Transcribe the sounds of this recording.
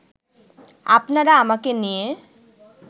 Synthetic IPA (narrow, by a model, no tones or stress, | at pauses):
apnaɾaamakenije